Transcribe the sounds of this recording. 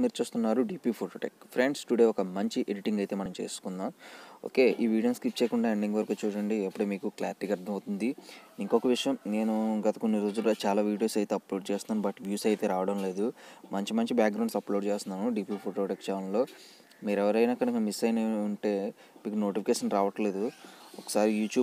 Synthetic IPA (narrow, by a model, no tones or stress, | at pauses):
miːɾut͡ʃuːst̪unːaːɾuɖiːpipʰoʈoːʈeːkpʰɾeɳɖsʈuɽe̞ːɔkɐmɐɲt͡ʃiʔeɽiʈiŋɡɐjt̪e̞ːmɐnɐmt͡ʃeːsu̥kund̪aːmo̰ːke̞ːʔiːʋiːɽijɐnskip̚t͡ʃeːkuɳɖaːeɳɖiŋɡʋɐɾkuːt͡ʃuːɾɐɳɖiepːuɽemiːkukla̰ːɾiʈiːkɐɾd̪ʱʰɐmɐwt̪und̪iiŋkɔkɐʋiʂɐjɐmne̞ːnuɡɐt̪ɐ̥konːiɾo̞ːd͡ʒult͡ʃaːlaːʋiːɽijo̞ːsɐjt̪eɐplo̞ːɖt͡ʃeːst̪unaːnubɐʈʋjuːsɐjt̪e̞ːɾaːʋɐɽɐmle̞ːd̪umɐɲt͡ʃimɐɲt͡ʃibjaːk̚ɡɾɐwɳsɐplo̞ːɖt͡ʃeːst̪unːaːnuɖiːpipʰoʈoːʈekt͡ʃaːnnlo̞ː | miːɾɛʋɐɾɐjnɐkːɐɽɐiŋkɐmisɐjneuɳʈe̞ː | miːkuno̞ːʈipikeːʂɐnɾaːʋɐʈle̞ːd̪uɔkːɐ̥saːɾijuːt͡ʃjuːb